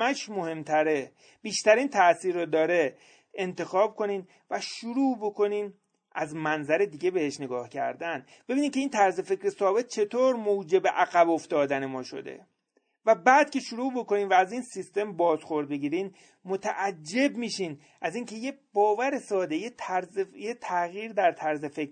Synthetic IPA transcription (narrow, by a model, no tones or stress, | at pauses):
æʃmohe̞mt̪ʰæɾe̞ | biːʃt̪æɾiːnt̪ʰæʔsiːɾod̪ɒːɾe̞ | ent̪e̞xɒːb̚kʰo̞niːn | væʃuɾuːbo̞kʰo̞niːn | ʔæzmænzæɾe̞d̪iːɟe̞be̞he̞ʃne̞ɡɒːhcʰæ̰ɾd̪æn | b̥e̞biniːnkʲceiːnt̪ʰæɾze̞fe̞cʰɾesɒːbe̞t̪̚t͡ʃʰe̞t̪ʰoːɾmod͡ʒe̞beʔæɣæboft̪ɒːd̪æne̞mɒːʃo̞̰d̪ḛ | væbæːd̪̥̚cʰe̞ʃuɾuːbo̞ko̞niːnvæːziːnsist̪e̞mbɒːzxo̞ɾd̪̚be̞ɟiːɾiːn | mo̞t̪ʰæʔæd͡ʒːe̞bmiːʃiːn | ʔæziːŋcʰe̞jebɒːvæɾe̞sɒːd̪e̞jet̪ʰæɾzjet̪ʰæɣiːɾd̪æɾt̪ʰæɾze̞fek